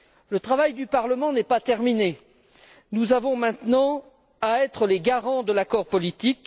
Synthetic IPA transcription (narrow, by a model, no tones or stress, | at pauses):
lət̪χavajd̪ypaʁləmɑ̃nɛpat̪ɛʁmine | nuzavɔ̃mɛ̃t̪nɑ̃ | aɛt̪χəleɡaʁɑ̃d̪əlakɔʁpɔlit̪ik